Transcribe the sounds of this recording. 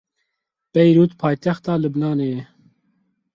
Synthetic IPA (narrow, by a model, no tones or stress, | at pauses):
pɛjɾuːt̪pʰɑːjt̪ɛxt̪ɑːlɨbnɑːneɛ